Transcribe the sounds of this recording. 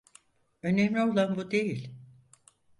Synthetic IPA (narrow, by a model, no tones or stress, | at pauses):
ø̞nemlʲio̞lˠanbud̪e̞jilʲ